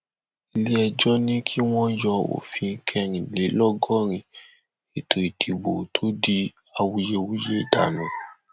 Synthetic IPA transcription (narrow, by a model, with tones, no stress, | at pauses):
i˧le˦ɛ˧d͡ʒɔ˦nĩ˦kʰi˦w̃ɔ̃˦jɔ˧o̰˨fĩ˧˦kʰɛ˧ɾ̃ĩ˨le˨˦lɔ˦ɡɔ˦ɾ̃ĩ˧˨ | e˨tʰo˨i˨tʰi˨ɡ͡bo˨tʰo˦di˧ | a˧wu˧je˧wu˦je˦˨da˨nũ˨